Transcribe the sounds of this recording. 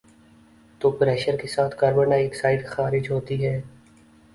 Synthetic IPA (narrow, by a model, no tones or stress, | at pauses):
t̪oːpɾɛːʃəɾkesaːt̪ʰkəɾbənaeːksaːɪd̪xaːɾɪd͡ʒɦoːt̪iɦɛː